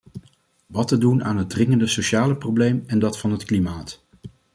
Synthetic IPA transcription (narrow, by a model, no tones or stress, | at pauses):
ʋɑtədunʔaːnɦət̚drɪŋəndəsoʃaːləprowblejmɛndɑtfɑnɦətklimaːt